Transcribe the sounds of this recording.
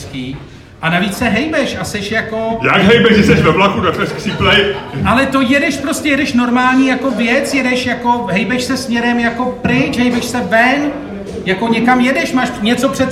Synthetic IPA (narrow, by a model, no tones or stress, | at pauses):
kiː | ʔanaviːt͡ssɛɦɛjbɛʃasɛʃjakojaɡɦɛjbɛʒʒɛsɛʃvɛvlakudak̪lɛsksiplɛjʔalɛt̪o̞jɛdɛʃpɾo̞scɛjɛdɛʃno̞ɾmaːlɲiːjako̞vjɛt͡sjɛdɛʃjako̞ɦɛjbɛʃsɛsmɲɛɾɛmjako̞pɾɪt͡ʃɦɛjbɛʃsɛvɛn | jako̞ɲɛkamjɛdɛʃmaːʃɲɛt͡so̞pr̝̥ɛt̪